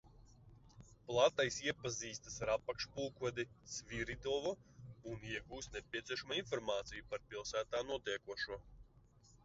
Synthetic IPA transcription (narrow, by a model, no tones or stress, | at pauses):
plˠat̪ajsiɛpaziːst̪asaɾapːakʃpulkɔd̪ʲisvʲiɾid̪ɔvɔuniɛɡuːsnepʲiɛt̪sʲiɛʃamainfɔɾmaːt̪sijupaɾpʲilˠsæːt̪aːnuɔt̪ʲɛɛkuɔʃuɔ